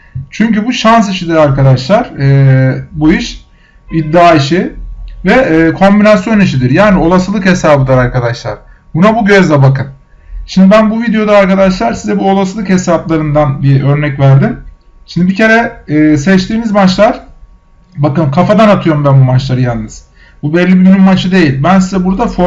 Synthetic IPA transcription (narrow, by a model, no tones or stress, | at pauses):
t͡ʃʰyɲcybuʃans̬iʃid̪iɾaɾkad̪aʃlˠaɾ̥ɯːbuiʃ | id̪ːaːiʃivɛːkʰo̞mbinasjo̞niʃ̬id̪iɾjaːnio̞lˠasɯlˠɯkhesaːbɯd̪ˠaɾaɾkad̪aʃlˠa̰ɾ̥ | bunabuɟø̞zd̪ɛbakɯn | ʃimd̪ibænbuvid̪ejo̞d̪aːɾkad̪aʃlˠaɾsizɛbuo̞lˠasɯlˠɯkhesaplˠaɾɯnd̪anbiø̞ɾnɛcvæɾd̪in | ʃimd̪ibice̞ɾɛɛːsɛt͡ʃt̪ʰiːnizmat͡ʃlˠaɾ̥ | bakɯmkʰafad̪anat̪ʰɯjo̞ɾumbænbumat͡ʃlˠaɾɯjannːɯz̥ | bubɛlʲːibimynymmat͡ʃʰɯd̪e̞jilʲbænsizɛbuɾd̪afo